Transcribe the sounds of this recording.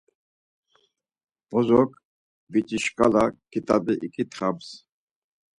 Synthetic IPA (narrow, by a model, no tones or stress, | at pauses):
b̥ɔzɔkʼ | vit͡ʃʼiʃkʼalakʰit̪ʼad̪iʔikʰʼit̪ʰχams